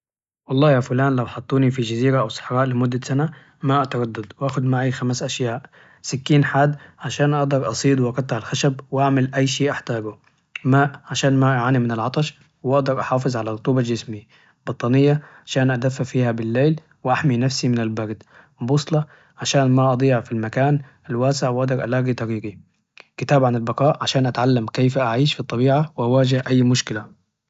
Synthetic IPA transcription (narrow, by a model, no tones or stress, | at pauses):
wɑlˤːɑːjaːfʊlaːnlawħɑt̪ˤːuːnifid͡ʒaziːɾaʔawsˤɑ̥ħɾˤɑːʔlɪmʊd̪ːasana | maʔat̪ɑɾˤɑd̪ːɑd̪wʔaːxʊd̪maʕixamasʔaʃjaːʔ | sɪkːiːnħaːd̪ʕaʃaːnʔɑʔd̪ɑɾˤʔɑsˤiːd̪ˤwʔɑqɑt̪ˤːɪʕalxaʃabwʔaʕmalʔajːʃiːʔaħt̪aːɡu | maːʔʕaʃaːnmaʔaʕaːnimɪnɪlʕɑt̪ˤɑʃ | wʔɑʔd̪ɑɾˤʔɑħɑːfɨzˤʕalarʊt̪ˤuːbald͡ʒɪsmi | bɑt̪ˤːɑːnɪjːaʕaʃaːnʔad̪afːafiːhabɪlːeːl | wɪʔaħminafsimɪnalbɑɾd̪ | bʊsˤlɑ | ʕaʃaːnmaʔɑd̪ˤiːʕfilmakaːn | alwaːsɪʕwʔɑʔd̪ɑɾˤʔa̰laːɡit̪ˤɑɾiːɡi | kɪt̪aːbʕanalbɑqɑːʔʕaʃaːnʔat̪ʕalːamkejfaʔaʕiːʃfit̪ˤːɑbiːʕawʔawaːd͡ʒɪhʔajːmʊʃkɪla